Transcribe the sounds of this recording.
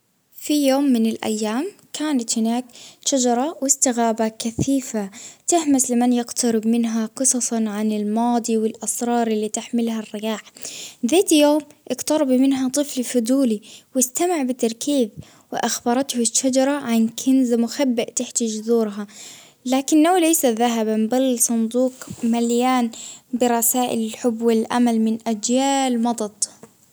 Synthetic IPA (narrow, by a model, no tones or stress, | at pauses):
fijoːmːɪnɪlʔa̰jːaːmkʰaːnat̪hɪnaːkʃad͡ʒɑɾˤɑwɪst̪ɪɣaːbakaθiːfat̪ɪhmaslɪmanjɪɡt̪ɑɾɪbmɪnɦaqɨsˤɑsˤɑʕanɪlmɑːd̪ˤiwɪlʔɑsɾˤɑːɾˤɪlːiːt̪ɪħmɪlharːɪjaːħðeːt̪joːmʔɪɡt̪ɑɾˤɑbmɪnɦat̪ˤɨflfʊd̪uːliwɪst̪amɪʕbɪt̪ːɑɾˤkiːð | wɪʔaxbɑɾˤɑt̪hʊʃːad͡ʒɑɾˤɑʕankʰɪnzamʊxabːɪʔt̪ɪħt̪ad͡ʒðuːɾɦa | laːkɪnːawlajsaðaɦabambalːsˤʊnd̪ˤuːqmaljaːnbɪɾˤɑsaːʔɪ̰lɪlħʊbːwɪlʔa̰malmɪnʔad͡ʒjaːlmɑd̪ˤɑd̪ˤ